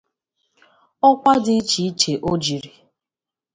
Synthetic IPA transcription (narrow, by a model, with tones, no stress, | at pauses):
ɔ˦kʷa˦dɪ˦t͡ʃi˨˦t͡ʃe˨ʔo˦d͡ʒi˨ɾi˨